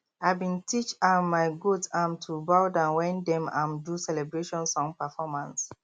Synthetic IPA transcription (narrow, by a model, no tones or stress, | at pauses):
aɪbĩntʰit͡ʃamaɪɡudsãmtʰubawdãnwɛ̃ndɛ̃mã̰mdusɛlɛbɹeʃɔ̃nsɔ̃ŋpɛfɔmãns